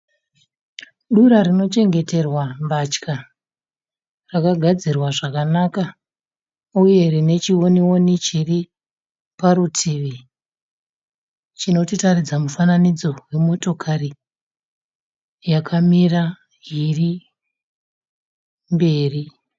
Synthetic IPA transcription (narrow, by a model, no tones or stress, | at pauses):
ɗuɾarino̞t͡ʃe̞ŋɡe̞te̞rwambat͡ʃka | rakaɡʱad͡zirwaʐakanaka | uje̞rine̞t͡ʃiwo̞niwo̞nit͡ʃiri | paɾutʰiʋi | t͡ʃino̞titarid͡zamufananid͡zo̞we̞mo̞to̞kʰari | jakʰamira | ɦiri | mbe̞ːri